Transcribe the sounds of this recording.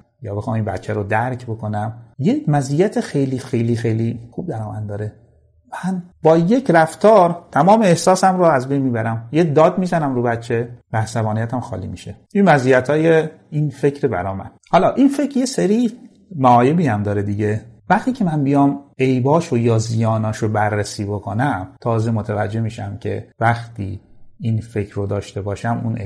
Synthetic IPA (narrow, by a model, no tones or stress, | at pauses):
jɒ̰ːbe̞xɑːminbæ̰t̪t͡ʃʰːæɾod̪æɾcʰbokʰo̞næmjemæzijæt̪ʰexe̞jliːxejliːxejlixub̚d̪æɾɒːmæ̰nd̪ɒːɾe | mænbɒːjecʰɾæft̪ʰɒːɾt̪ʰæmɒːmeehsɒːsæmɾoæzbe̞jnmiːbæɾæmjed̪ɒːd̪̚miːzænæmɾuːbæt̪t͡ʃʰːevææsæbɒːnijæt̪ʰæmxɒ̰ːlḭːmḭʃe | inmæziːjæt̪ʰɒːje | infe̞cʰɾebæ̰ɾɒːmæ̰n | hɒlɒːʔinfe̞cʰɾjeseɾiː | mæɒːjebiːhæmd̪ɒːɾed̪iɟevæxt̪iːcʰe̞mænbijɒːmejbɒːʃojɒːzijɒːnɒːʃobæɾːesiːbokʰonæmt̪ʰɒːze̞mot̪ʰævæd͡ʒːe̞hmiːʃæ̰mcʰḛvæxt̪ʰḭːinfecʰɾod̪ɒːʃt̪e̞bɒːʃæmṵne